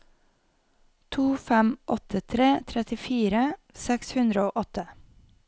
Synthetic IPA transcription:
t̪ʰuːfæmʔɔt̪ʰət̪ʰɾeːt̪ʰɾɛt̪ɪfiːɾəsɛkshʉnd̪ɾəoːʔɔt̪ə

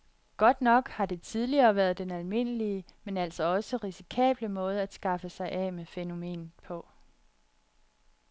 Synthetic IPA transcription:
ɡ̥ɒ̽d̥nɒ̽ɡ̥hɑ̈d̥e̝t͡sʰið̞ˠliɐːʋæːɐð̞ˠd̥enælme̝n̰əliəmenæl̰sɒɒ̽səʁisi̥kʰɛ̰ːb̥ləmɔ̽ːð̞̩ˠæd̥sɡ̥ɑ̈fəsɑ̈ɪʔɛmefeno̝me̝̰ːnpʰɒ̽

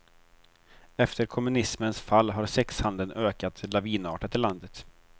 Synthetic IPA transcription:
ɛft̪əɾkʰɔmːɵnɪsmənsfalːɦaɾsɛkshand̪ənʔøːkat̪ʰlaviːnɑːʈat̪ɪland̪ət̪

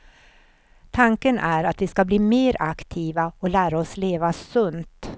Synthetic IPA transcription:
t̪ʰaŋkənʔæɾat̪vɪskabliːmeːɾakt̪ʰiːvaɔlæːɾaɔsleːvasɵnt̪

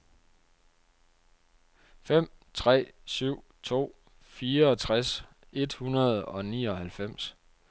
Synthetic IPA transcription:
fem̰ | t͡sʰʁɛ̰ːsyʊ̰t͡sʰo̝̰ː | fiːɐɒ̽t͡sʰʁas | e̝d̥hunɐð̞ˠɒ̽nḭːɒ̽hælfem̰s

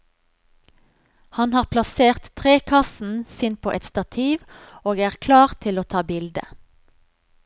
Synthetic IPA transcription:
hɑnhɑːʁpʰlɑseːʁt̪ʰʁeːkʰɑsn̩siːnpʰo̰ːʔɛt̪st̪ɑt̪ʰiːʋoːɡæːʁkʰlɑːʁt̪ʰɪloːt̪ʰɑːbɪld̪ə̰

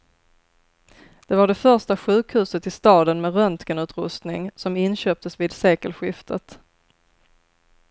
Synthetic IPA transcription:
d̪̥ɛvaɖɛfœɾʂtaɧʉ̟ːkhʉ̟ːsət̪ɪst̪ɑːd̪ənmɛɾœnt̪kənʉ̟ːt̪ɾɵst̪nɪŋsɔmɪnɕøːp̚t̪əsvɪːd̪seːkəlɧɪft̪ʰət̪

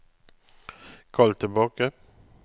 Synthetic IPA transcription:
kʰɑlt̪ʰɪlbɑːkə

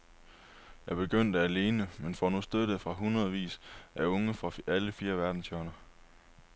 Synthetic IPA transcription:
jɑ̈ɪb̥e̝ɡ̥øn̰d̥əæle̝ːnəmenfɒnusd̥øð̥əfʁɑ̈ɦunʁɐðˠʋḭːsʔæɔ̽ŋəfʁɑ̈æləfiːɐʋæɐd̥n̩sjœɐnɐ

